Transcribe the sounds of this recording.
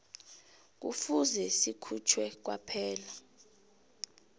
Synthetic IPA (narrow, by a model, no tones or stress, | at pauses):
k̬ṵfuzɛsikʰut͡ʃʰwɛk̬wapʰɛːla